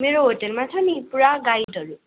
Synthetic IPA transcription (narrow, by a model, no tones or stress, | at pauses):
meɾoɦoʈelmat͡sʰʌnipuɾaɡajɖɦʌɾu